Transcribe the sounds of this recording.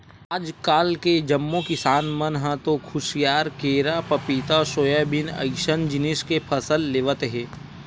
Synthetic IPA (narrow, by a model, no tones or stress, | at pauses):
aːd͡ʒkaːlked͡ʒɐmːokɪsaːnmɐnɦãt̪õkʰʊʃijaːɾkeːɾapɐpit̪aʃoːjabɪnɐ̰ɪʃənd͡ʒɪnɪskepʰɐsəlːeːʋət̪ɦɛː